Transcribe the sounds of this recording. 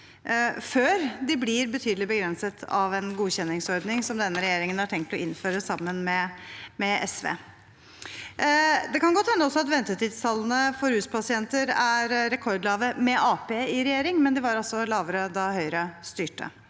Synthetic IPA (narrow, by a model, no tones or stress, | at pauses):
føːɾd̪ɪblɪɾbət̪ʰyːd̪əlɪbəɡɾɛnsət̪ʰɑʋɛnɡuːçɛnːɪŋsɔɾɖ̪nɪŋsɔmd̪ɛnːəɾɛjeːɾɪŋənæʈʰɛŋk̚t̪ɔʔɪnføːɾəsɑmːənmɛmɛɛ̰sʋḛː | d̪ɛkɑnɡɔt̪hɛnːəɔsɔɑt̪ʋɛnt̪əʈiːd̪st̪ʰɑlːənəfɔɾhʉːspʰɑsɪɛnt̪əɾæɾɾɛkʰɔɾd̪lɑːʋəmɛʔɑːpeːɪɾɛjeːɾɪŋmɛnd̪ɪʋɑɾɑlsɔlɑːʋəɾəd̪ɑhœʏɾəst̪yːʈːə̰